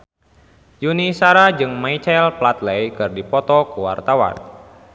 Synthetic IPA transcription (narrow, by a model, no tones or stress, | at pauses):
junisaɾad͡ʒɨŋmait͡ʃaɛlplat̪lejkɨrdipɔt̪ɔkuwa̰rt̪awa̰n